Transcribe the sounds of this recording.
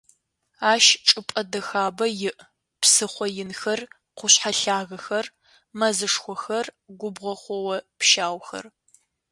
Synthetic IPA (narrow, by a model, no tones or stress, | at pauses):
aːʃʈ͡ʂʼɨpʼɐdɐxaːbɐjɪʔ | psɨχʷɔjɪnxɐr | qʷʊɕħaɬaːɣɐxɐr | mɐzɨʂxʷɔxɐrɡʷʊbʁʷɐχʷɔwɐpʃaːwxɐ̰r